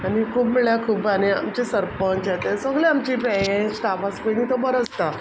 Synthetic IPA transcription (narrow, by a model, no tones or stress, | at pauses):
aɽ̃ikʰuːbməɭjakʰuːbania̰mt͡ɕesəɾpənt͡ɕjet̪esəɡɭeamt͡ɕipɾejẽsʈ̪apaspeñit̪obəɾəst̪a